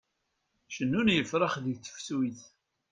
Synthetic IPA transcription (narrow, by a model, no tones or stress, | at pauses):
ʃənːunjəfɾˤəχðət͡sːə̥fsuiθ